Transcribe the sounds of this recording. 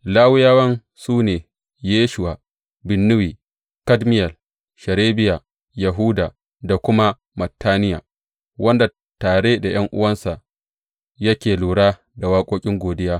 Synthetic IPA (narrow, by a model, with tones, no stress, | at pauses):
laː˦wɪ˦jaː˦wɐ˦n | suː˦neː˨ | jeː˦ʃʊ˨wa˨ | bɪ˨nːʊ˦wiː˨ | kɐ˦dmɪ˦jɐ˨l | ʃɐ˨ɾeː˦bɪ˦ja˨ | jɐ˨ɦu˦daː˨ | da˨kʷʊ˦ma˦ | mɐ˨tːaː˦nɪ˦ja̰ː˨ | wɐ˦nda˨ | taː˨ɽeː˦da˨j̰ɐ˦ŋʔʊ̰˦wɐ˦nsa˨ʔ | jɐ˦kʲeː˨luː˨ɽaː˦ | da˨waː˦kʷʼoː˦kʲʼɪ˦ŋɡʷoː˨dɪ˦jaː˦